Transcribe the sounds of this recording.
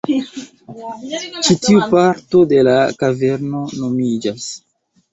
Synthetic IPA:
t͡ʃitiupaɾto̞de̞lakave̞ɾno̞no̞mid͡ʒas

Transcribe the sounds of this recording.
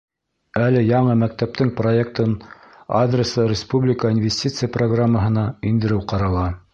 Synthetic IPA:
ælɘjɑɴɤmæk̚t̪æp̚t̪ɘŋproek̚t̪ɤn | ad̪rʲɪsəɾʲɪspublʲɪkəinvʲɪsʲtʲit̪sɨjəproɡramːəɦɤ̆nɑind̪ɘ̆ɾɘwqɑɾɑlˠɑ

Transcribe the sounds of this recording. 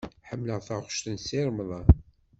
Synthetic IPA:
ħəmːləʁθχʃt̪ənsiɾˤmðˤɑ

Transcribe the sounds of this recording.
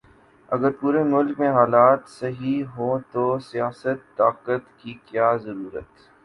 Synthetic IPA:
ɐ̰ɡəɾpuːɾemʊlkmẽɦaːlaːt̪sɐɦiɦot̪osijaːsət̪ːaːqət̪kikjaːzɐɾuːɾə̰t̪

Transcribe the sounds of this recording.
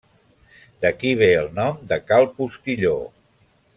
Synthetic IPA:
d̪əkiβ̞eəlˠnɔmd̪əkalˠpust̪iʎo

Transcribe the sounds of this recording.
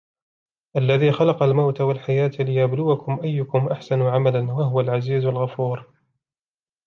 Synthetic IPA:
ʔalːaðiːxɑlɑqɑlmawt̪awalħajaːt̪lɪjablʊwakʊmʔajːʊkʊmʔaħsanuːʕamalanwaɦʊwalʕaziːzalɣafuːɾ

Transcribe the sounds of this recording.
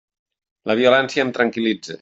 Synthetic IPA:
ləβ̞iulɛnsiəːmt̪ɾəŋkilid͡zḛ

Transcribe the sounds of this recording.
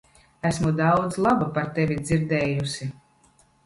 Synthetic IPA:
æsmud̪awd̪zlˠabupaɾt̪ɛvʲid̪ziɾd̪ɛːjusʲi

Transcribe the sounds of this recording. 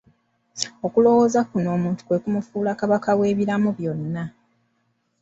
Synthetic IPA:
o̞kulo̞wo̞ːzakuno̞ːmuːntu̥kwe̞kumufuːlakaβakawe̞ːβiɾamuβjo̞nːa

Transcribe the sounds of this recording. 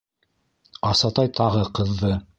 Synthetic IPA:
ɑsɑt̪ɑjt̪ʰɑʁɤqɤ̆ðːɤ

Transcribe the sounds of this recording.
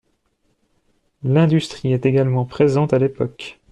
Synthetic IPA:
lɛ̃d̪yst̪χiɛt̪eɡalmɑ̃pχezɑ̃t̪alepɔk

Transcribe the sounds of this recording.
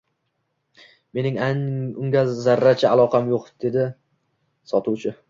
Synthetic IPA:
me̞nɪŋaŋʊŋɡʲazaɾːat͡ʃʰaalˠɒqʰɑmjoqd̪̥e̞d̪ɪ | sɒt̪ʰʊwt͡ʃʰɪ

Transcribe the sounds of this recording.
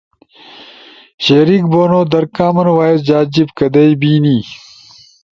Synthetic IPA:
ɕeːɾik̚boːnoːd̪ɐɾkaːmɐnwaːesd͡ʑaːd͡ʑibkɐd̪ɐjbiːniː

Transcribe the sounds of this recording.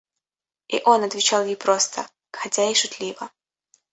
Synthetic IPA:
ḭʔonɐt̪vʲɪt͡ɕalˠjejpɾost̪ʰə̰ | kxɐzʲaiʂʊt̪lʲivə

